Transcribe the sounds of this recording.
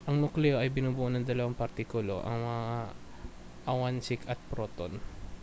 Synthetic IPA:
ʔɐŋnʊklɛoʔɐjbɪnuːbʊʔonɐŋd̪ɐlɐwaŋpɐɾt̪ikʊlo̞̰ʔɐ̰ŋmɐŋa | ʔɐwansɪkɐt̪̚pɾoːt̪o̰n

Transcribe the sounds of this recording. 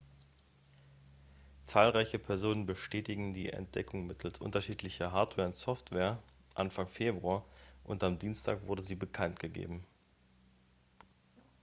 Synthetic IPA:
t͡saːlʁaɪçəpʰɛɐzoːnənbəʃtɛːtɪɡŋ̩dḭːʔɛ̰nt̚d̥ɛkʰʊŋmɪtʰl̩sʔʊ̰ntɐʃiːtʰlɪçɐɦaɐtvɛːɐʊntsɔftv̥eːɐ | ʔanfaŋfeːbʁuaːɐʔʊntamdiːnstʰa̰ːkv̥ʊɐdəziːbəkʰantɡ̥əɡḛːbm̩

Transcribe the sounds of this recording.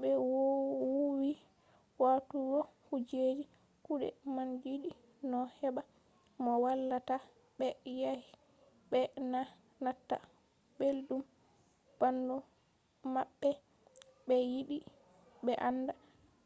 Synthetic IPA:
ɓɛwwuwi | watuɡɔhud͡ʒed͡ʒi | kuɗɛ̰mand͡ʒiɗi | nɔhɛɓa | mɔwalːata | ɓɛjahi | bɛna | natːa̰ | beldum | b̥andɔ | maɓːɛ | bɛjiɗi | ɓɛʔanːda

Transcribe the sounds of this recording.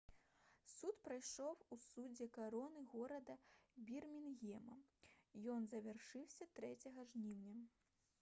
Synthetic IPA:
sut̪pɾajʂɔwusud͡zʲɛkaɾɔnɨɣɔɾɐd̪ɐbʲirmʲinɣʲɛmɐ̰jɔnzɐvʲarʂɨwsʲɐt̪ɾɛt͡sʲɐɣɐʐnʲiwnʲɐ

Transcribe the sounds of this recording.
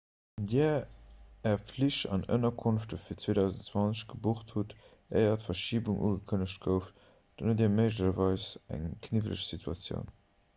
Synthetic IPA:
diː | ɛɐfliʃɑ̰nə̰nɐkʰunftəfiːɐt͡sweːdɑʊzəntt͡swɑnt͡səʃɡ̥əbuχthut | eɪɐtfɐʃiːbuŋʔṵːɡəkʰənəʃtɡ̥əʊf | d̥ɑnətdːməɪʒ̬ləʃɐvɑɪsæ̰ŋkʰnivələʃsitʰuɑ̰t͡sjə̰ʊn

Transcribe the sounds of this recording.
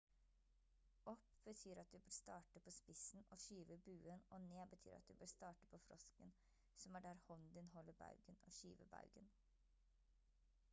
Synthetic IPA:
ɔpb̥ət̪ʰyːɾɑt̪̚d̪ʉbøːɾst̪ɑːʈəpʰoːspɪsn̩oːʃyːʋəbʉːənoːneːbət̪ʰy̰ːɾɑ̰t̪̚d̪ʉbøːɾst̪ɑːʈə̥pʰoːfɾʔɔskən | sɔmæːɖæːɾhɔnd̪ɪnɦɔlːəbɑ̰ʉɡəno̰ːʃy̰ːʋə̰bɑ̰ʉɡən

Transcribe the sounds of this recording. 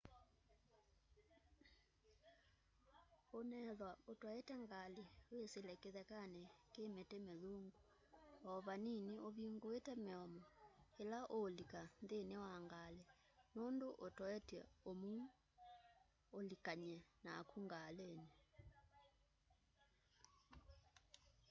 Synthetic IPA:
onɛðwaotwɔɛtɛŋɡaliweselɛkeðɛkanɛkemetemeluŋɡu | ɔβaniniʔoβiŋɡoetɛmeɔmɔelaʔolikanðenewaŋɡalɛ | nondoʔotɔɛtɛ̰omu | olikaɲɛnaːkuŋɡalene

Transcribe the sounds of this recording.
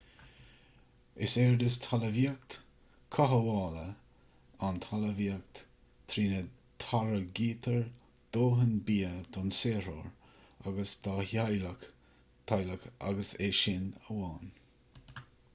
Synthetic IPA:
ɪsɛːɹd̪ɪst̪ʰaləviək̚t̪ | kʰaɦəwɑːlə | ant̪ʰaləviək̚t̪ | t̪ʰɾiːnə | t̪ʰaɾəɡiːt̪ʰəɹ | d̪̥oːɦənbiːəd̪ʰɔnseːɾo̰ɹ | a̰ɡəsd̪ahalək | t̪ʰajləka̰ɡəseːʃɪnəwɑːn

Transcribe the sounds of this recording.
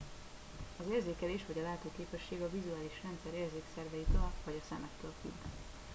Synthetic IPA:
ɒzeːrzeːkɛleːʃʋɒɟɒlaːt̪okeːpɛʃːeːɡɒvizuaːliʃrɛnt̪sɛɾeːrzeːksɛrvɛjit̪ɒlvɒɟɒsɛmɛt̪lølky̰

